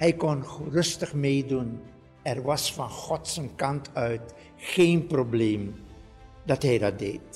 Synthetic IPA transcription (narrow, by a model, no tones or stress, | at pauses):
hɛjkɔnχərɵstəχmejdun | ɛrʋɑsfɑnχɔtsənkɑntʰœɥt | xeːnprobleːm | dɑtɦɛjdɑt̚dḛːt